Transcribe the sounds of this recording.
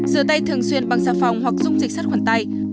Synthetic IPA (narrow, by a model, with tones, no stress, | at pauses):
zɨː˧˦t̪a˧jt̪ʰɨ˨˩əŋswi˧ənɓa˨˧˩ŋzaː˧˥fa˨˩wŋ͡mhwa˨˩k̚zʊ˧ŋ͡mzï˨˩k̟̚sa˦˥t̚xwaː˧˩nt̪a˧j